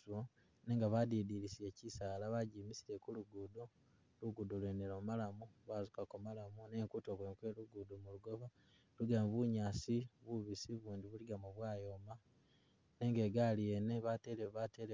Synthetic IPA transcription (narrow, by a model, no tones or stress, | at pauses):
o | ne̞ːŋɡaβadidiɾisie̞cisaːlaβaɟiːmisiɾe̞kuluɡudo | luɡudolweneloːmalamuβazukakomalamuneːŋkutokweŋkwe̞ːluɡudomuluɡo̞βa | luɡamβuɲaːsiβuβisiβuːndiβuliɡamuβwaːjo̞ma | ne̞ːŋɡe̞ːɡalieneβateeβateɾe